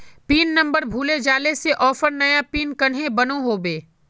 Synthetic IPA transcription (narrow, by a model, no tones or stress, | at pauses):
piːnːɐ̃mbəɾbʱuːled͡ʒaːleseʔɔːfəɾnɐjapiːnkɐnɦẽbɐnoɦoːbeː